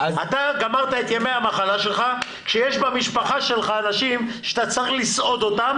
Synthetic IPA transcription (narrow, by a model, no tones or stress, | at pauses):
at̪aɡamaʁt̪aet̪jameamaχalaʃelχa | kʃejeʃbamiʃpaχaʃe̞lχaːnaʃimʃeat̪at͡saχlisʔo̞d̪o̞tam